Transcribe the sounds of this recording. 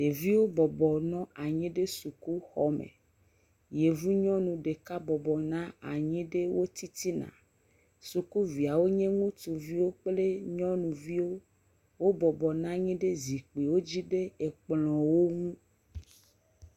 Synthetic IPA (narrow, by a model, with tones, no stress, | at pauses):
ɖ̥e˨vi˦wo˦bɔ˨bɔ˨nɔ̃˦ʔa˨ɲĩ˦ɖe˦su˨ku˦xɔ˦mḛ˨ | je˨vu˦ɲɔ̃˦nũ˨ɖe˨ka˦bɔ˨bɔ˨nã˦a̰˨ɲĩ˦ɖe˦wo˦t̪i˦t̪i˦nã̰˨ | su˨ku˦vi˨a˨wo˦ɲẽ˦ŋũ˦t̪u˨vi˦wo˦k͡ple˦ɲɔ̃˦nũ˨vi˦wo˦ | wo˦bɔ˨bɔ˨nã˦ɲĩ˦ɖe˦zi˨k͡pi˨wo˦d͡ʑi˦ɖe˦e˨k͡plɔ̃˨wo˦ŋũ˦